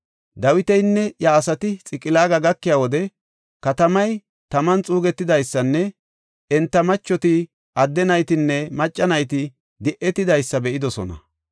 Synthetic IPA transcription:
d̪ɐwɪt̪ɛjnːɛjaːsɐt̪ɪt͡sʼɪkʼːɪlaːɡɐɡɐkːɪjaːwɔd̪ɛ | kɐt̪ɐmɐj | t̪ɐmɐnt͡sʼuːɡɛt̪ːɪd̪ɐjsːɐnːɛ | ɛnt̪ːɐmɐt͡ʃːɔt̪ɪ | ʔɐd̪ːɛnɐjt̪ɪnːɛmɐt͡ʃʼːɐnɐjt̪ɪ | d̪ɪʔɛt̪ːɪd̪ɐjsːɐbɛʔɪd̪ɔsɔ̰nɐ̰

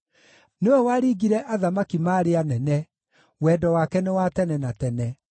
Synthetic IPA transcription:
newɛwaɾiːɡiɾɛʔaðamakimaːɾeanɛnɛ | wɛːdɔwakɛnewatɛnɛnatɛnɛ

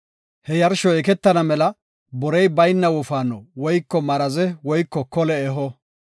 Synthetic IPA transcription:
hɛjɐɾʃɔɛkɛt̪ːɐnɐmɛlɐ | bɔɾɛjbɐjnːɐwɔfaːnɔwɔjkːɔmɐɾɐzɛwɔjkːɔkɔlɛːɦɔ

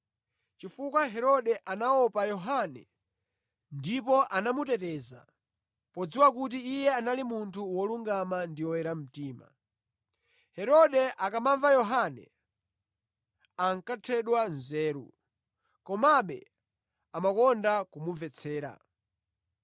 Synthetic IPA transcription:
t͡ʃifukwaɦɛɾɔɗɛʔanaɔpajɔɦanɛ | ndipɔʔanamutɛtɛːza̰ | pɔd͡ziwak̬ut̬iijɛanalimuntʰuwɔluŋɡamandiwɔwɛɾam̩tiːma̰ | hɛɾɔɗɛʔakamaɱvajɔɦanɛ̰ | aŋkatʰɛɗwanzɛːɾṵ | kɔmaɓɛ̰ | amakɔndakumuvɛt͡sʰɛːɾa̰

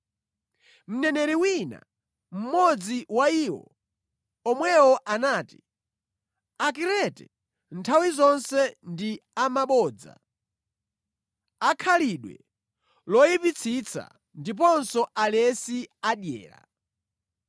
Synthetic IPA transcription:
m̩nɛnɛɾiwina̰ | m̩mɔd͡ziwaiwɔ̰ | ɔmwɛwɔʔanaːti̥ | akiɾɛtɛ | ntʰawizɔnsɛndiamaɓɔːd͡za̰ | akʰaliɗwɛ̰ | lɔjipit͡sʰit͡sʰa̰ | ndip̬ɔnsɔalɛsiaɗjɛ̰ːɾa̰

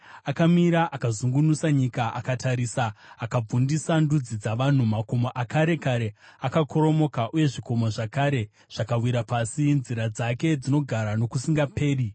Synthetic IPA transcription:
akamiɾaʔakazuŋɡunusaɲikaʔakatʰaɾiːsaːkab͡vundisandud͡zid͡zaʋan̤umako̞moʔakaɾe̞kaɾe̞ | akakʰo̞ɾo̞mo̞kaʔuje̞ʐiko̞moʐakaɾe̞ | ʐ̥akawiɾapasinziɾad͡zake̞d͡zino̞ɡʱaɾano̞kusiŋɡape̞ːri

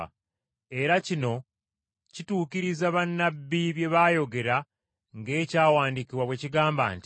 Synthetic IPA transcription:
e̞ɾacino̞ | cituːkiɾizaβanːabːiβje̞βajo̞ɡe̞ɾa | ŋɡe̞ːcaːwaːndikiβwaβwe̞ciɡaːmba̰ːnti

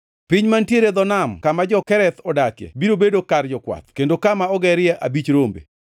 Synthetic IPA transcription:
piɲmantjeɾed̪ɔnamkamad͡ʒɔkɛɾɛt̪ɔdakjɛ̰biɾobedokard͡ʒɔkwa̰t̪̚kendokamaɔɡɛɾɪjɛʔa̰bit͡ʃɾombḛ

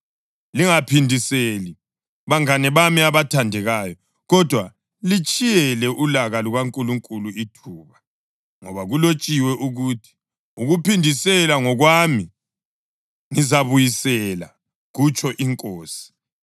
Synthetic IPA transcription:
liŋapʰindʱiseːli | βaŋanɛβamiaβatʰandʱɛɣaːjɔ | ɣɔd̥ʱwa | lit͡ʃʼijɛlɛʔulaɣaluɣwaŋkʼuluŋkʼuluitʰuːβa | ŋɔβaɣulot͡ʃʼiwɛʔuɣutʰi̥ | uɣupindʱisɛlaŋɔɣwami | ŋizaβujisɛla̰ | ɣut͡ʃʰʼɔʔiŋkʼoːsi̥

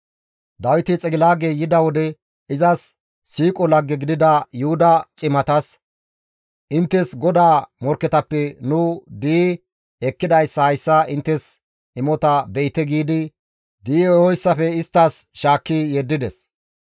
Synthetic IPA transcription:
d̪ɐwɪt̪ɪt͡sʼɛɡɪlaːɡejɪd̪ɐwɔd̪ɛ | ɪzɐsː | iːkʼɔlɐɡːɛɡɪd̪ɪd̪ɐjʊhʊd̪ɐt͡ʃʼɪmɐt̪ɐs | ʔɪnt̪ːɛsɡɔd̪aːmɔɾkːɛt̪ɐpːɛnʊd̪iː | ɛkːɪd̪ɐjsːɐhɐjsːɐʔɪnt̪ːɛs | ɪmɔt̪ɐbɛjt̪ɛɡiːd̪ɪ | d̪iːɔjsːɐfɛɪst̪ːɐsʃaːkːijɛd̪ːɪd̪ɛs

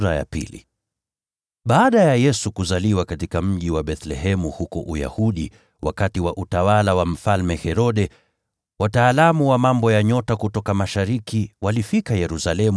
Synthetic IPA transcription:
ɾaja̰pḭlḭ | ɓaːɗajajɛsukuzaliwakatikam̩ʄiwaɓɛθlɛhɛmuhukɔ̰ʔuja̰huɗi | wa̰katiwaʔutawalawam̩falmɛhɛɾɔɗɛ | wataːlamuwamambɔjaɲɔtakutɔkamaʃaɾikiwalifikajɛɾusalɛmu

